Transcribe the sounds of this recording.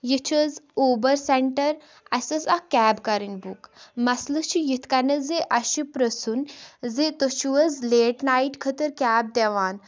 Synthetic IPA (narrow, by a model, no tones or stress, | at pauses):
jit͡ʃʰəzoːbəɾseɳʈəɾ | ɐsəsakʲæːbkaɾinbukmɐslət͡ʃʰijit̪ʰkɐnɐzeʔɐʃipɾəsunzet̪əʃʰiʋəzleːʈnaiʈkʰət̪əɾkʲaːb̚d̪ɛʋaːn